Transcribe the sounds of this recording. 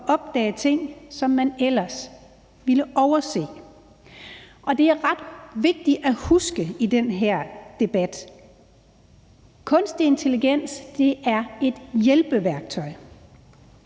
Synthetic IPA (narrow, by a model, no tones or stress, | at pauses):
ʔɒ̽b̥d̥ɛ̰ːt͡sʰe̝ŋ̰sɒ̽mːænel̰ɐs | ʋiləʔɒʊɐse̝̰ː | ʔɒ̽d̥e̝æɐʁɑ̈d̥ʋe̝ɡ̥̚d̥iæhusɡ̥əid̥enɦeɐ̰d̥e̝b̥æd̥ | kʰɔ̽nsd̥ie̝nt͡sʰe̝liɡ̥en̰sd̥e̝æɐe̝d̥jelb̥əʋæɐɡ̥̚t͡sʰɒ̽ɪ̰